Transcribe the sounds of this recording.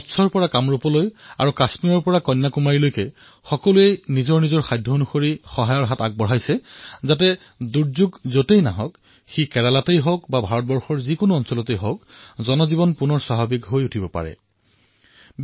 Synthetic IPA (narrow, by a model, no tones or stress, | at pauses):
tsʰɔɹpɔɹakamɹupɔloja̰ɹukasmiɔɹpɔɹakɔjnːakumaɹilojkɛ | xɔkɔluenizɔɹnizɔɹxajdʱːɔonuxoɹixɔɦajɔɹɦataɡ̚bɔɦajsɛzatɛ | duɹzuɡzotejnaɦɔk | xikɛlalatejɦɔkbabʱaɹɔt̚bɔɹxɔɹzikonʊɔnsɔlɔtejɦɔkzɔnɔzibɔnpunɔɹswaɦabikɦojutʰibɔpa̰ɹɛ̰